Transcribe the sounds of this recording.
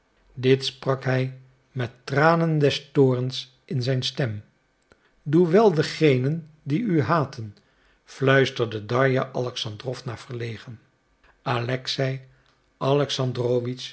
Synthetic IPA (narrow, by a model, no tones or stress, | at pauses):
dɪtsprɑkɦɛj | mɛtːraːnəndɛstoːɹəns | ɪnzɛjnstɛm | duʋɛlˠdəχejnən | diyɦaːtʰən | flœɥstəɹdədɑɹjaʔɑlɛksɑndrɔfnaːɹv̥əɹlejχən | alɛksɛj | ʔɑlɛksɑndroːʋis